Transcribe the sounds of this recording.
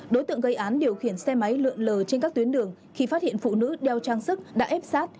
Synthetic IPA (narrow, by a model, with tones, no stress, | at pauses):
ɗo˨˦jt̪ɨ̰˧˨əŋɣə˧jʔaː˨˦nɗi˨˩əwxi˧˩ənsɛ˧ma˨˦jlɨ̰˧˨əŋləː˨˩t͡ɕe˧nkaː˦˥k̚t̪wənɗɨ˨˩əŋ | xi˧fa˦˥t̚hḭ˧˨ənfṵ˧˨nɨ̰˧˥ɗɛ˧wt͡ɕaː˧ŋsɨ˦˥k̚ɗa̰ː˧˥ʔɛ˦˥p̚saː˦˥t̚